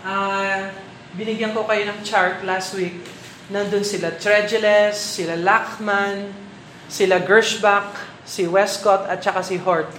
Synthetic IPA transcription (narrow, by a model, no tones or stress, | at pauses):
ʔa | bɪnɪɡjankokɐjo̞nɐŋt͡ʃaɹt̪last̪wik̚ | nɐnd̪ʊnsɪlat̪ɹɛd͡ʒɛlɛsːɪlalakman | sɪlaɡɛɹʃbak̚ | sɪwɛskot̪ɐt̪̚t͡ʃɐkasɪɦoɹt̪̚